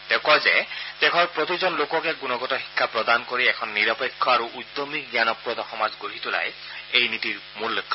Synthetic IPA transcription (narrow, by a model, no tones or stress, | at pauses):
tɛʊkɔzɛ̰tɛkʰɔɹpɹot̪izɔnlokɔkɛɡunɔɡɔtɔxi̥kʰːapɹɔd̪ankoɹiɛkʰɔnːiɹɔpekʰːɔaɹuʔud̪omikɡianɔpɹɔd̪ɔxɔmazɡoɦit̪ʊla̰j | ejnitiɹ | mulːokʰːɔ